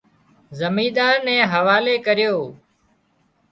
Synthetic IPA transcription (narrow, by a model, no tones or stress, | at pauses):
zəmiːd̪aːɾnɛ̃ːɦəʋaːleːkəɾɪjoː